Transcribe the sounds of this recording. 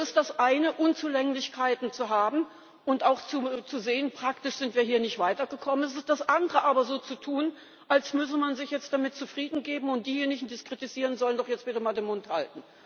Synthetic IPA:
ɛsɪstd̥asʔaɪnəʔʊnt͡suːlɛŋlɪçkʰaɪtn̩t͡suɦaːbm̩ | ʔʊntaʊxt͡sut͡suzeːənpʁ̥aktɪʃz̥ɪntv̥iːɐɦiːɐnɪçtv̥aɪtɐɡəkʰɔmənɛs̬ɪstd̥asʔandəʁəʔaːbɐzoːt͡sutʰuːn | ʔalsmʏs̬əmanzɪçjɛt͡st̚d̥amɪt̚t͡sufʁ̥iːdn̩ɡeːbm̩ʊnt̚d̥iːjeːnɪçŋ̩diːskʁ̥itiz̥iːʁənzɔləndɔχjɛt͡stv̥itəmaːldeːnmʊntha̰ltn̩

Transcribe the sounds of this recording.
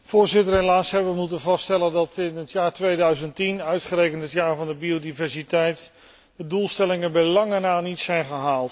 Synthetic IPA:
fʊːɹzɪtəɹɦelaːsɦɛbəʋəmutənvɑsttɛləndɑtɪnɦətjaːɹtʋejdœɥzəntinœɥtχərejkəntɦətjaːɹvɑndəbiodivɛɹsitɛjt | dədulˠstɛlɪŋənbɛlɑŋənaːnitsɛjnχəɦaːlˠt

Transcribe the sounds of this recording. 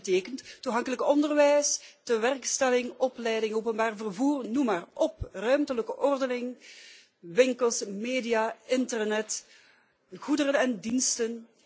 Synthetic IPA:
teːkənttuɦɑŋkələkɔndərʋɛjstəʋɛrkstɛlɪŋɔplɛjdɪŋoːpənbaːrvərvuːrnumaːrʔɔprœɥmtələkəʔɔrdənɪŋ | ʋɪŋkəlˠsmeːdijaːɪntərnɛt | ɣudəɾənɛndinstən

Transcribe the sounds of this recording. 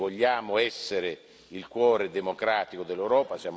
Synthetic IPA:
vɔʎːaːmʊɛsːeɾe | ilkwɔːɾed̪emokɾaːt̪ikod̪elːewɾɔːpasjaːm

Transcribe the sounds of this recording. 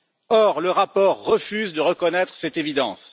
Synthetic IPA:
ɔʁləʁapɔʁːəfyzd̪əʁəkɔnɛt̪χəsɛt̪evid̪ɑ̃s

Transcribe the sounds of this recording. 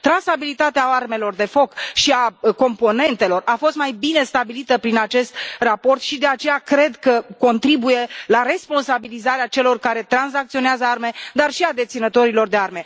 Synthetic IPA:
t̪ɾansabilit̪at̪eaarme̞lo̞rd̪e̞fo̞kʃiako̞mpo̞ne̞nt̪e̞lo̞rafo̞st̪majbine̞st̪abilit̪əpɾinat͡ʃe̞st̪rapo̞rt̪ʃid̪e̞at͡ʃe̞jakɾe̞d̪kəko̞nt̪ɾibuje̞laɾe̞spo̞nsabilizaɾeat͡ʃe̞lo̞rkaɾe̞t̪ɾanzak̚t̪sio̞neazəarme̞d̪arʃiad̪e̞t̪sinət̪o̞ɾilo̞rd̪e̞arme̞

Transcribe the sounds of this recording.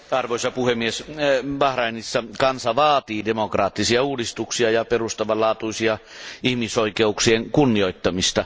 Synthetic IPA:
ɑrʋoˑisɑpuhemːiesʋɑhrɑinisːɑkɑnsɑʋɑːt̪iːdemokrɑːt̪ːisiɑuːdist̪uksiɑjɑperust̪ɑʋɑlɑːt̪uisiɑihmisoikeuksieŋkunːioˑit̪ːɑmist̪ɑ

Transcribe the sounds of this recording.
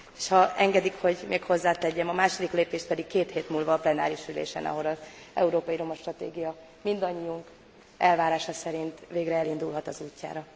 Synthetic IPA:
e̥ːʃhɒɛŋɡɛd̪ikho̞ɟmeːkho̞zːaːt̪ɛɟːɛmɒmaːʃo̞d̪ikleːpeːʃt̪̚pɛd̪ikkeːt̪heːt̪mulvɒːplɛna̰ːɾiʃylḛːʃɛ̰nɒ̰ɦo̞ɾɒz | ɛ̰uɾoːpɒjiɾo̞mɒʃt̪rɒt̪ḛːɡijɒ | mind̪ɒɲːiuŋk | ʔɛlvaːɾaːʃɒsɛɾint̪veːɡrɛɛlind̪ulɦɒt̪ɒzuːcːa̰ːɾɒ

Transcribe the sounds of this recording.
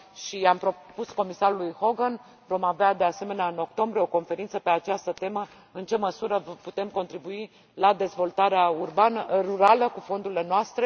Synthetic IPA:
ʃiampɾo̞pusko̞misaɾulujho̞ɡən | vo̞mavead̪e̞ase̞me̞neaɨno̞kt̪o̞mbɾieo̞ko̞nfe̞ɾint̪səpe̞at͡ʃast̪ət̪e̞mə | ɨnt͡ʃe̞məsuɾəvəput̪e̞mko̞nt̪ɾibui | lad̪e̞zvo̞lt̪aɾeaurbanəruɾaləkufo̞nd̪uɾile̞noast̪ɾe̞

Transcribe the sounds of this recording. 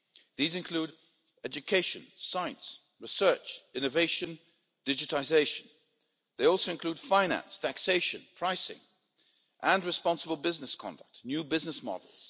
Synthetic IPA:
ðizɨ̃nkʰl̥uɾ | ɛd͡ʒɨkʰeɪʃɨ̃nsaɪɨ̃nts | ɹɨsɜ˞t͡ʃɪ̃nɨveɪʃɨ̃n | d̥ɪd͡ʒɨtlɪzeɪʃɨ̃n | ðeɪɔlˠsoʊɨ̃nkʰl̥ʉd̥fãɪ̃næ̰̃nstʰækseɪʃɨ̃npʰɹ̥aɪsɪ̰̃ŋ | ʔə̃nɹɨspɑ̃nsəbl̩ˠbɪznɨskʰɑ̰̃ndə̰k̚tnjʉbɪznəsmɑ̰dl̩ˠz̥

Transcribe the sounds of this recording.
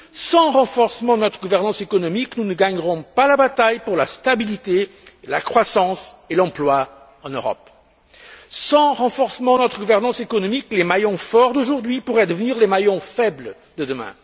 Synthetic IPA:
sɑ̃ʁɑ̃fɔʁsəmɑ̃nɔt̪χəɡuvɛʁnɑ̃sekɔnɔmiknunəɡaɲʁɔ̃palabat̪ajpuʁlast̪abilit̪ela̰kχwasɑ̃selɑ̃plwa | ɑ̃nøʁɔ̰p | sɑ̃ʁɑ̃fɔʁsəmɑ̃nɔt̪χəɡuvɛʁnɑ̃sekɔnɔmiklemajɔ̃fɔʁd̪oʒuʁd̪ɥipuʁɛd̪əvəniʁlemajɔ̃fɛbl | d̪əd̪əmɛ̰̃

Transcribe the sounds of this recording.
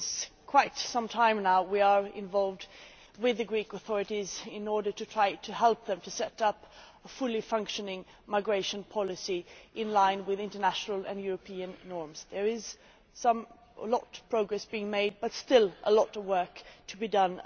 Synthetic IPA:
z̥kʰw̥aɪtsʌ̃mtʰãɪ̃mnaʊwiə˞ɪ̰̃ɱvɑlˠvd | wɪðɨɡɹikəθɔɹɨɾizɪ̃nɔɹɾə˞ɾɨtʰɹ̥aɪɾʰɨɦɛlˠp̚ðɨ̃mtʰɨsɛɾʌp | əfʊlˠifʌ̃ŋkʃɨnɪ̃ŋ | maɪɡɹeɪʃɨ̃npʰɑlˠɨsiʔɪ̃nlãɪ̃nwɪðɪ̃ntə˞næʃnl̩ˠɨ̰̃njʊɹɨpʰiɨ̃nːɔɹmz̥ðə˞ɪz̥ | sʌ̃m | lɔt̚pʰɹ̥oʊɡɹɛsb̥iɪ̃ŋmeɪd̚bʌtstɪlˠʔə̰lɔɾʌwɜ˞ktʰɨbidʌ̃n

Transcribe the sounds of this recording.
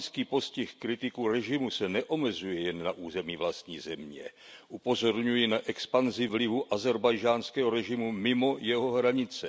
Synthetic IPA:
skiːpo̞scɪxkɾɪt̪ɪkuɾɛʒɪmusɛnɛʔo̞mɛzujɛjɛnːaʔuːzɛmiːvlast̪ɲiːzɛmɲɛ̰ | ʔupo̞zo̞ɾɲujinaʔɛkspanzɪvlɪvuʔazɛɾbajʒaːnskɛːɦoɾɛʒɪmumɪmo̞jɛɦo̞ɦɾaɲɪt͡sɛ

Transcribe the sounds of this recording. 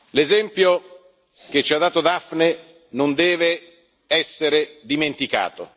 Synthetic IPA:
lezɛmpjo | k̟et͡ʃːiad̪ːaːt̪od̪afne | nond̪ɛːve | ɛsːeɾed̪iment̪ika̰ːt̪o̰

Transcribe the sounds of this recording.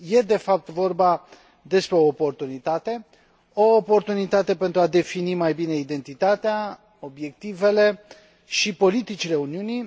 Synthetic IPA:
je̞d̪e̞fap̚t̪vo̞rba | d̪e̞spɾe̞o̞ːpo̞rt̪unit̪at̪e̞ | o̞ːpo̞rt̪unit̪at̪e̞pe̞nt̪ɾuad̪e̞finimajbine̞id̪e̞nt̪it̪at̪ea | o̞bje̞k̚t̪ive̞le̞ | ʃipo̞lit̪it͡ʃile̞uniuni

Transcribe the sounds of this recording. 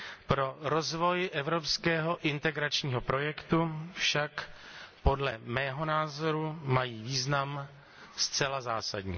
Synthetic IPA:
pɾo̞ɾo̞zvo̞jʔɛvɾo̞pskɛːɦo̞ʔɪnt̪ɛɡɾat͡ʃɲiːɦopɾo̞jɛkt̪ufʃakpo̞dlɛmɛːɦo̞naːzoɾumajiːviːznam | st͡sɛlazaːsadɲḭː

